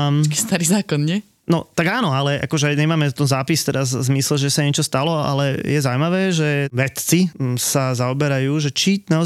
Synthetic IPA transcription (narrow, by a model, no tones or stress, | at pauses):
kist̪aɾiːzaːkɔnɲɛ | nɔt̪aɡaːnɔalɛʔa̰kɔʒɛɲɛmaːmɛt̪ɔnzaːpist̪ɛɾazzmislɛʒɛsaɲɛt͡ʃɔst̪alɔa̰lɛjɛzaʊmaʋɛːʒɛʋɛt̪t͡sisazaɔbɛɾajuːʒɛt͡ʃinaɔ